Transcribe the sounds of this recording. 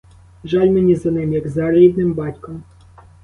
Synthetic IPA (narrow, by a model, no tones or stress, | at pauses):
ʒɑlʲmenʲizɐnɪmjɐɡzɐɾid̪nɪmbɑtʲkɔm